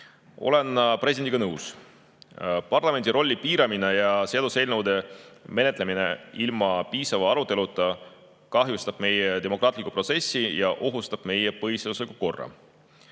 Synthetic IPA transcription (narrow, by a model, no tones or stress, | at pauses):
ʔo̞̰le̞npreidend̪iɡ̥ɑnɤws | pɑrlɑme̞nd̪iɾo̞lʲːipiːɾɑmine̞jɑseɑd̪use̞lnəwd̪e̞me̞net̪ˑle̞mine̞ilmɑpiːsɑvɑɑɾut̪ˑːe̞lut̪ːˑɑ | kɑɦjust̪ɑb̥me̞jet̪e̞mo̞krɑːt̪likːu̥pro̞t̪se̞sːijɑʔo̞ɦust̪ɑb̥̚me̞jepɤɦised̪uslikːuko̞rːɑ̰